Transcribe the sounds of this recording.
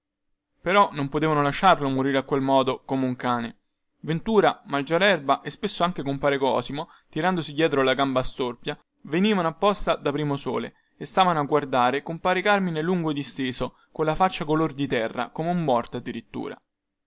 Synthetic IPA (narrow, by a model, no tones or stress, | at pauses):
peɾɔnompot̪eːvanolaʃːarlomoɾiɾeakwelmɔːd̪okomeuŋkaːne | vent̪uːɾamald͡ʒaɾɛrbaʔespesːoaŋk̟ekompaːɾekɔ̰ːsimo | t̪iɾand̪osid̪jɛːt̪ɾoalaɡambast̪orpja | veniːvanoapːɔst̪ad̪apɾiːmosoːlḛː | st̪aːvanoaɡːward̪aːɾekompaːɾekarmineluŋɡod̪ist̪eːso | konlafat͡ʃːakolord̪it̪ɛrːa̰komeumːɔrt̪ad̪ːiɾit̪ːṵːɾa̰